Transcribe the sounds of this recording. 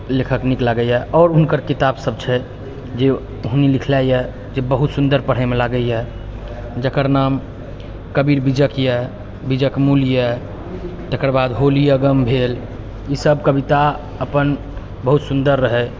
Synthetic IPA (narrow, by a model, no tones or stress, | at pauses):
lekʰəkniklaɡəjɛʔɔːɾuɦnkəɾkit̪absəb̚t͡ʃʰɛ | d͡ʒe | ɦunilikʰlajjɛ | d͡ʒebəɦut̪sund̪əɾpəɽ̤əmelaɡəjɛ | d͡ʒəkəɾnam | kəbiɾbid͡ʒəkjɛ | bid͡ʒəkmuljɛ | t̪əkəɾbad̪ɦolijəɡəmbʱel | isəbkəbit̪a | əpən | bəɦut̪sund̪əɾːəɦɛ